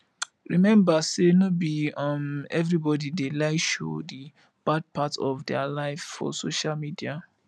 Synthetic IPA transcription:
ɹimɛ̃mbasenobiʌmɛvɹibɔdidelaɪʃo̰di | b̥ad̚pʰatɔvdɛalaɪvfɔ̰soʃalmidia

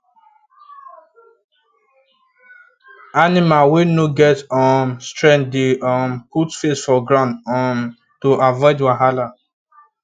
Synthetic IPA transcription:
animawenoɡɛtɔmstɹɛ̃n̚deɔmputfesfɔɡɹãʊ̃ndɔm | toʔavɔɪdwaɦala

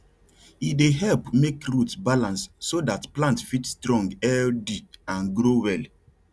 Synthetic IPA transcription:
ideɦɛlpmekɹutbalãnsːodatplãntfitstɹɔ̃ŋɡɛdiãnɡɾowɛl

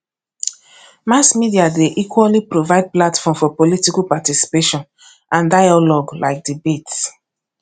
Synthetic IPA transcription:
masmidiadeʔikwalipɾovaɪd̚platfɔ̃mfɔpolitikapatisi̥peʃɔ̃n | ãndaɪalɔɡlaɪk̚dibets

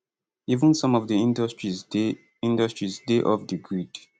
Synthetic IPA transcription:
ivə̃nsɔ̃mɔvdiĩndstɹiz | ĩndəstɹizdeʔɔvdiɡɹid

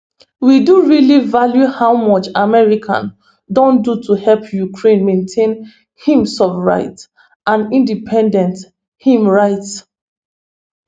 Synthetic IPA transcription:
widuɹilivaljuhawmɔt͡ʃamɛɹikʰã̰n | dõndutʰuhɛlpjukʰɹẽnmẽntʰẽn | hĩmsɔfɹa̰ɪt | ãnĩndipʰɛ̃ndɛ̃nt | hĩmɹaɪt

